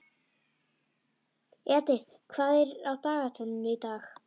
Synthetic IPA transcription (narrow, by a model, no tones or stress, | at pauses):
ɛt̪ɪɾ̥ | kʰv̥aːðɛɾawt̪aːɣat̪ʰɔnʏnʏit̪aːx